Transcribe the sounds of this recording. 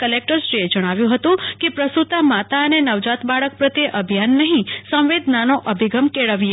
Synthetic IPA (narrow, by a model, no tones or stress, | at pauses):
kəlek̚ʈəɾseed͡ʒəɽ̃aʋjũɦət̪ũkepɾəst̪ut̪amat̪aənenəʋd͡ʒat̪baɭək̚pɾət̪eʔəbʱjanːəɦĩsə̃wʋed̪ʱnanoʔəbʱiɡəmkeɭəʋie